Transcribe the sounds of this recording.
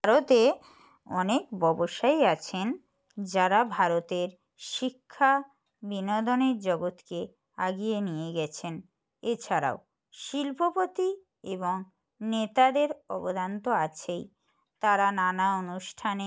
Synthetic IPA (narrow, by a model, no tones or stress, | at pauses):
baɾot̪e | ɔnekbɔboʃaiat͡ɕʰen | d͡ʑaɾabʱaɾot̪eɾ | ʃikʰːa | binɔd̪oneɾd͡ʑɔɡot̪ke | aɡijenijeɡɛt͡ɕʰen | et͡ɕʰaɾa̰o | ʃilpʰopot̪i | eboŋ | net̪ad̪eɾɔbod̪ʱant̪oat͡ɕʰej | t̪aɾananaonuʃʈʰane